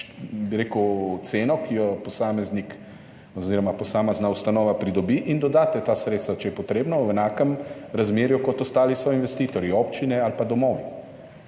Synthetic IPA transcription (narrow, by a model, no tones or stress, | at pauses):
biɾeːkəwt̪seːnɔkʰijɔpɔsaːmɛznik | ɔziːɾɔmapɔsaːmɛznaust̪anɔːʋapɾid̪ɔbiʔind̪ɔd̪aːt̪ɛt̪asɾet̪st̪ʋat͡ʃɛjɛpɔt̪ɾeːbnɔwɛnaːkɛmɾazmeːɾjukɔt̪ɔst̪aːlisɔinʋɛst̪iːt̪ɔɾjiopt͡ʃinɛalpad̪ɔmɔːʋi